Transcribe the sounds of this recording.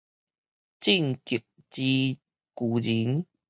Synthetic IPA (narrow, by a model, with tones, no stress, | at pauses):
t͡ɕi˥˨ŋki˨˩p̚ | t͡ɕi˧ | ku˨˩d͡ʑi˨˦ŋ